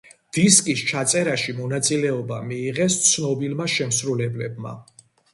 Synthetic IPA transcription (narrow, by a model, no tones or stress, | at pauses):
d̪̥iskʼist͡ʃʰat̪sʼɛɾaʃimɔnat̪sʼilɛɔbamiːʁɛst̪sʰnɔbilmaʃɛmsɾulɛblɛbma̰